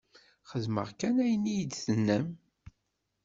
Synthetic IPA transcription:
χəðmə̰ʁkænæjənːijd̪θənːəm

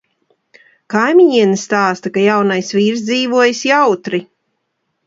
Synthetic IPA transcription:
kajmʲiɲiɛnist̪aːst̪akajawnajsvʲiːɾzd̪ziːvuɔjsjawt̪ɾi

